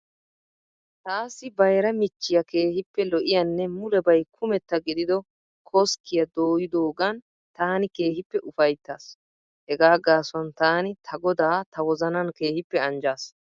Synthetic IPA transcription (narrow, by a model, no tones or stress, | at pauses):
t̪aːsːɪbɐjɾɐmɪt͡ʃːɪjɐke̞ːhɪpːɛlɔʔɪjɐnːɛmʊlɛbɐjkʰʊmɛt̪ːɐɡɪd̪ɪd̪ɔ | kʰɔskɪjɐd̪oːjɪd̪oːɡɐn | t̪aːnɪke̞ːhɪpːɛʔʊfɐjt̪ːaːs | hɛɡaːɡaːsʊwɐnt̪aːnɪt̪ʰɐɡɔd̪aːt̪ɐwɔzɐnɐnke̞ːhɪpːɛɐnd͡ʒaːs